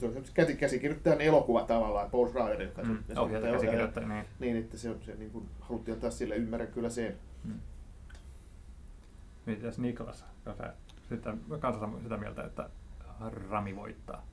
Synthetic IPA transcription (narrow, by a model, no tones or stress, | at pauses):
seolisemose̥kæsikæsikirjot̪ːɑjænelokuʋɑt̪ɑʋɑlːˑɑːpolsrɑːjɑreokːɑsijɑsohjɑæoskirjot̪ːɑniːniːnet̪ːæseonseniːŋkunhɑlut̪ːiolt̪ːɑːssilːæymːærækkylːæsenː | miet̪it̪ːæsnikolɑ̰sɑ̥kɑnsɑ̰ | sit̪ːækɑnsɑsɑsit̪æmiæ̰lt̪æ̰ḛt̪ːæ̰ | rɑmiʋo̰it̪ːɑ̰ː